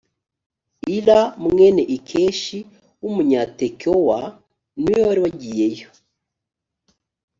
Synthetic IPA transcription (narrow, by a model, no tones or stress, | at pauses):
iɾamŋeneʔikʰeʃi | wumuɲatekowa | niwewaɾiwaɟijejo